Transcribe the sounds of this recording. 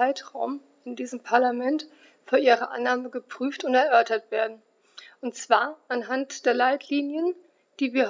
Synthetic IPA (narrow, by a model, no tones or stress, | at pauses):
aɪtʁ̥a̰ʊm | ɪndiːzəmpʰaɐlamɛnt | fyːɐʔiːʁəʔa̰nːaːməɡəpʁ̥yːftʊntɛɐʔœɐtɐtv̥eːɐdn̩ | ʔʊntt͡sv̥aːɐʔanɦantd̥eːɐlaɪtʰliːnjən | d̥iːviːɐ